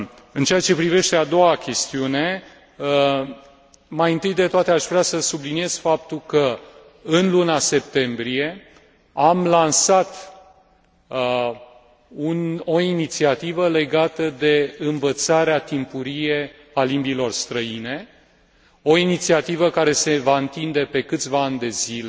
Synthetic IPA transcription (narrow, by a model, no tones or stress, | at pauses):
ɨnt͡ʃeat͡ʃe̞pɾive̞ʃt̪e̞ad̪o̞wakʲe̞st̪iune̞ | majɨnt̪ɨjd̪e̞t̪oat̪eaʃvɾeasəsublinije̞z̥fapt̪ulkə | ɨnlunase̞pt̪e̞mbɾije̞ | amlansat̪ | unoinit̪siat̪ivəle̞ɡat̪əd̪e̞ɨnvət̪saɾeat̪impuɾije̞ | alimbilo̞rst̪ɾəine̞ | o̞init̪siat̪ivəkaɾe̞se̞vaɨnt̪ind̪e̞pe̞kɨt̪sʲvaand̪e̞zile